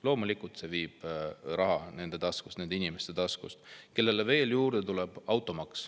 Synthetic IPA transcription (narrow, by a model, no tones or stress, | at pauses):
lo̞ːmulikːˑult̪se̞viːb̥ɾɑɦɑne̞nd̪e̞t̪ɑsku̥st̪ned̪einʲime̞st̪e̞t̪ɑskṵst̪ke̞lːe̞le̞ve̞ːljuːɾd̪et̪ulɛb̥ɑwt̪ˑo̞mɑks